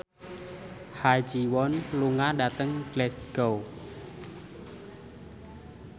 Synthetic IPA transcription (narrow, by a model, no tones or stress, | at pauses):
had͡ʒiwɔnluŋaɖat̪əŋɡ̥lɛsɡ̥ow